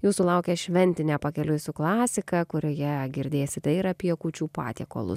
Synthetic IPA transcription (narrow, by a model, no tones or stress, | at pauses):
juːsʊlˠɐʊkʲɛːʃʲʋʲɛnʲt̪ʲɪnʲɛpɐkʲɛlʲʊjsʲʊklˠɑːsʲɪkɐkʊɾʲojɛɡʲɪɾʲd̪ʲeːjɛsʲɪt̪ʲɐɪɾɐpʲiɛkuːt͡ʃʲuːpɑ̰ːt̪ʲiɛko̰ːlˠʊ̰s